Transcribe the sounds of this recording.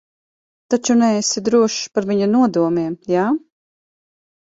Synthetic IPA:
t̪at͡ʃunɛesid̪ɾuɔʃpaɾviɲunuɔd̪uɔmiɛmjaː

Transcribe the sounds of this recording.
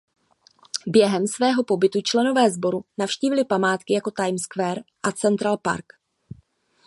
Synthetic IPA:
bjɛɦɛmsvɛːɦo̞po̞bɪt̪ut͡ʃlɛno̞vɛːzbo̞ɾunafʃciːvɪlɪpamaːt̪kɪjako̞t̪ajmskvɛːɾʔat͡sɛnt̪ɾalpa̰ɾk

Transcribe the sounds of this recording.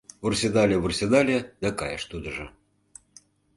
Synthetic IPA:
βursʲed̪ɑlʲeβursʲed̪ɑlʲed̪ɑkɑjəʃt̪ud̪ə̆ʒɤ̆

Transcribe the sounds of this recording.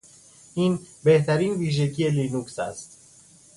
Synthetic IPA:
ʔiːnbe̞ht̪æɾiːnviːʒekʰieliːnuksæ̰st̪

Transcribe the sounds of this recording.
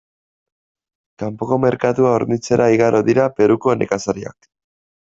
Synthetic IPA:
kampo̞ko̞me̞ɾkat̪uaoɾnit͡se̞ɾʔaiɣaɾʔo̞ðiɾape̞ɾuko̞ene̞̰kasaɾia̰k

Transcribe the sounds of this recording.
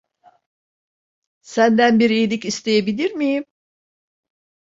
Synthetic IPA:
sænd̪ænbiɾiːlʲicist̪ʰejebilʲiɾmijim

